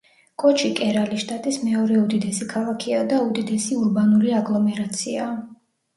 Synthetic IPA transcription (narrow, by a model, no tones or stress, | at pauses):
kʼɔt͡ʃʰikʼɛɾaliʃt̪ʼat̪ʼismɛɔɾɛud̪id̪ɛsikʰalˠakʰiad̪aud̪id̪ɛsiuɾbanuliaɡlˠɔmɛɾat̪sʰiaː